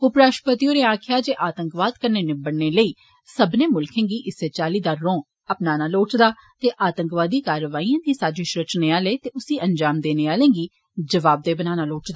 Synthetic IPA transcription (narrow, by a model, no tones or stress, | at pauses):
ʊpɾaːʃpət̪iõːneːaːkʰɪjaːd͡ʒeːʔaːt̪ə̃ŋkʋaːd̪kəɾneːnɪbəɽneːləiː | səbneːmʊlkʰẽːŋɡiːʔɪseːt͡ʃaːliːd̪aːɾõː | əpnaːnaːloːʈd̪aːt̪eːʔaːt̪əŋkʋaːd̪iːkaːɾʋaːiːãːd̪iːsaːd͡ʒeːʃɾət͡ʃneːaːleːt̪eːʊsiːʔəɲd͡ʒaːmd̪eːneːaːlẽːŋɡiː | d͡ʒəʋaːb̚d̪eːbənaːnaːloːʈd̪aː